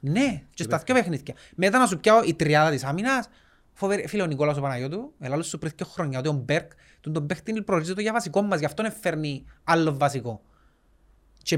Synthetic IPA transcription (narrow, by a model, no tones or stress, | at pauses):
net͡ʃesɐθcopexniθcɐ | met̪ɐnɐs̬upçaoʔit̪ɾiɐðɐt̪isaminɐs | foveɾfileonikolɐs̬opɐnɐjot̪̬uelalːost̪upɾiθiceoxɾoɲːɐot̪̬iombeɾk | t̪und̪ombext̪inipɾolizot̪oʝɐvɐsiko̞mːɐsʝɐft̪onefːeɾnialːovːɐsiko | t͡ʃe